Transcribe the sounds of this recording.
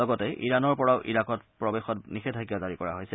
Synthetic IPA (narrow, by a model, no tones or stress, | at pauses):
ɔɡɔtɛʔiɹanɔɹpɔɹaʊʔḭɹakɔtpɹɔbexɔtnixetʰakiɔzaɹikɔɹa̰ɦojsɛ